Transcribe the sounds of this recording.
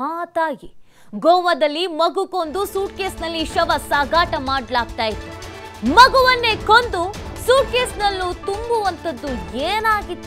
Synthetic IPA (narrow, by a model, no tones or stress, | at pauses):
ɦaːt̪aːɡi | ɡɔʋɐd̪ɐlːimɐɡukond̪usuːʈ̚keːsnɐlːiʃɐʋɐsaːɡaːʈɐmaːɖlaːk̚t̪aːjit̪ːumɐɡuʋɐnːe̞kond̪usuːʈ̚keːsnɐlːut̪umbuʋɐnt̪ɐd̪ːueːnaːɡit̪ː